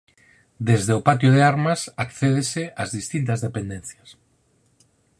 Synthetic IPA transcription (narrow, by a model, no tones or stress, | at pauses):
d̪ezðeʊpat̪joðeaɾmɐsakθeð̞eseazðist̪int̪ɐzðepend̪ẽnθjɐs